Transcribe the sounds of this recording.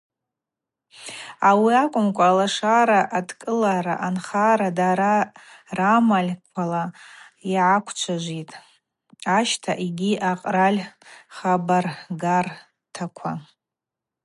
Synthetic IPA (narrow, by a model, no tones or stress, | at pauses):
awiakʷʼʊmkʷʼaːlaʂaɾaʔadkʼɨlaɾa̰ʔanχaɾadaɾaramalʲkʷʰalaiʕakʷʰt͡ʃʷʰaʒʷitʼ | aʃtʰaʔiɡʲiʔaqʼralʲχabarɡar | tʰakʷʰa